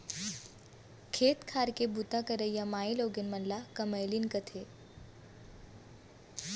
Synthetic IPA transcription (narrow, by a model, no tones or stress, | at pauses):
kʰet̪kʰaɾkebut̪akəɾəjamailoɡenmənlakəməjliːnkət̪ʰe